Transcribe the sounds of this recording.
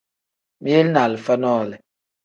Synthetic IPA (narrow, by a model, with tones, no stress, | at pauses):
mi˦e˦lna˨lfa˦nɔː˦˨lɛ˨